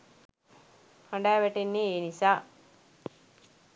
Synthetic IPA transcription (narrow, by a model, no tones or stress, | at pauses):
haɳɖaːʋæʈenːeːnisaː